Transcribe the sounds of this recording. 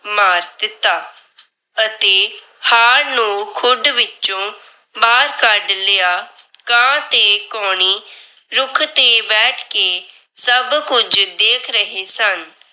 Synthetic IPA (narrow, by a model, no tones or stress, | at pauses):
maːɾd̪ɪt̪ːaː | ət̪eː | haːɾnũːkʰʊɖʋɪt͡ʃõː | baːɾkəɖleːaːkãːt̪eːkɔːɳ̃iː | ɾʊkʰt̪eːbɛːʈʰkeː | səbkʊd͡ʒd̪eːkʰɾəɦeːsən